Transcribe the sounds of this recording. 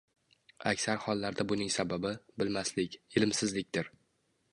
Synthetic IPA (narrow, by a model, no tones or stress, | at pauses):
a̰kʲsaɾhɒlˠːaɾd̪abʊnɪŋsababɪbɪlmaslɪkʲɪlɪmsɪzlɪk̚ʲd̪ɪɾ